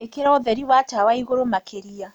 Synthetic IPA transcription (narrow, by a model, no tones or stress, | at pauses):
ekeɾɔðɛɾiwatawaiɣoɾomakʰeɾia